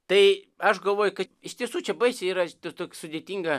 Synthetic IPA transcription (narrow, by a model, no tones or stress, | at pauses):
t̪ɐɪ | ɐʃɡɐlˠʋoːjʊkɐɪʃʲt̪ʲiɛsuːt͡ʃʲɛbɐɪsʲiːɾɐt̪ot̪oːkʲsʊd̪ʲet̪ʲiŋɡɐ